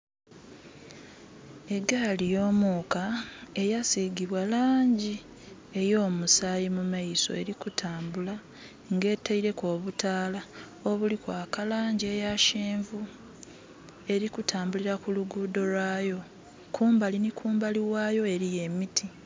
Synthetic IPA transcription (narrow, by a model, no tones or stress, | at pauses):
e̞ɡalijo̞ːmuːkae̞jasiɡiβwalaːɲɟi | e̞jo̞ːmusaːjimumaiso̞̰e̞ɾikutʰaːmbula | ŋɡe̞ːtaiɾe̞ko̞ːβutaːla | o̞βulikwaːkalaːɲɟie̞jaʃeːɱvu | e̞ɾikutʰaːmbuliɾakuluɡuːdo̞lwaːjo̞ | kʰuːmbalinikʰuːmbaliwaːjo̞e̞ɾije̞mitʰi